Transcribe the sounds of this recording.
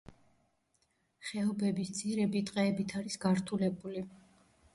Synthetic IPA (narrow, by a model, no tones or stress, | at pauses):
χɛɔbɛbist̪sʰʼiɾɛbit̪ʼqʼɛːbit̪ʰaɾisɡaɾt̪ʰulɛbuli